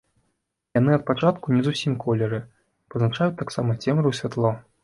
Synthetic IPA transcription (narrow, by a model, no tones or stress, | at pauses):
janɨɐt̪̚pat͡ʂat̪kunʲɛzusʲimkʰɔlʲɛɾɨ | pɐznat͡ʂajut̪aksamɐt͡sʲɛmɾɨwsʲvʲat̪lˠɔ